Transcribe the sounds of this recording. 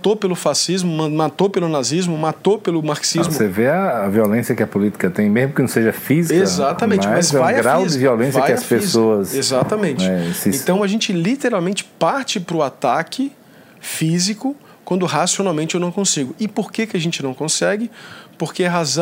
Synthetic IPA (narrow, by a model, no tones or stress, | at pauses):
t̪opelʊfasizmʊmɐ̃mat̪opelʊnazizmʊmat̪opelʊmaɾksizmʊseveɐːviolẽsjɐkɪɐpolit̪i̥kɐt̪ẽj̃mezmʊkɪnɐ̃w̃seʒɐfiziekɐzat̪ɐ̃mẽnt͡ʃɪmzvajɐɡɾawzd̪ɪviolẽsvɐajɪɐspesoɐsezat̪ɐmẽnt͡ʃɪɛsẽt̪ɐ̃w̃ɐʒẽnt͡ʃɪlit̪eɾawmẽnt͡ʃɪ̥paɾt͡ʃɪpɾʊat̪akʰɪ | fizikʊ | kwɐ̃nd̪ʊɦasionawmẽnt͡ʃɪewnɐ̃w̃kõsiɡʊɪpoɾkekɪɐʒẽnt͡ʃɪnɐ̃w̃kõsɛɡɪpoɾkeɛɦazɐ̃